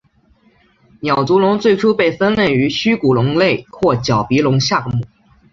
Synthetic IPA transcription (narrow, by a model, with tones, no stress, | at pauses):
njɑ˨˩ʊt͡su˧˥lʊ˧˥ŋt͡swe˥˩ɪʈ͡ʂʰu˥pe˥˩ɪfə˥nljɛ˥˩ny˧˥ɕy˥ku˨˩lʊ˧˥ŋle˥˧ɪkʰwɔ˥˩t͡ɕjɑ˨˩ʊpi˧˥lʊ˧˥ŋɕja˥˩kmu˨˩˦